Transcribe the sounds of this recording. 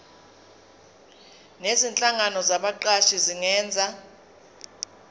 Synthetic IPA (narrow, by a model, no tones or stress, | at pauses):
nezint͡ɬʼaŋanɔzaɓaǃaʃiziŋɛːnd͡zʱa